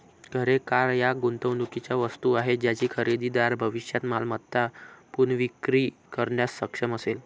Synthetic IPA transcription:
ɡʱəɾekaɾjaɡunt̪əwnd̪ukit͡ɕjaʋəst̪uaɦed͡ʑjat͡ɕiːkʰəɾid̪iːd̪aɾbʱəʋiʂjat̪malmət̪ːapuɳʋikɾiːkəɾɳjasːəkʂəməsel

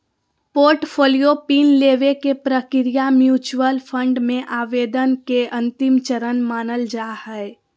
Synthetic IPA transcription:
poːɾʈpʰoːlijopiːnleːʋekepɾəkɪɾijamjuːt͡ʃwəlpʰə̃ɳɖmẽʔaːʋeːd̪ənkeʔə̃nt̪ɪmt͡ʃəɾənmaːnəld͡ʒaːhɛe

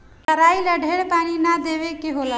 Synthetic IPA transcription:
t̪əɾaːiləɖʱeɽpaːñinad̪eʋekeɦola

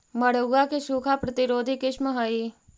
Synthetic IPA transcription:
mɐɽ̤oɡakeʃuːkʰapɾɐt̪ɪɾoːd̪ʱikɪʃməɦaiː

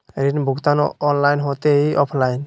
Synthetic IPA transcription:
ɾinbʱukt̪anɔnlajnɦot̪eiʔɔpʰlajn

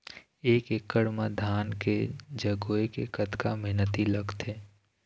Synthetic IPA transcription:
eːkekːəɽmad̪ʱaːnked͡ʒəɡoːekḛkət̪kameɦnət̪iləɡt̪ʰeː

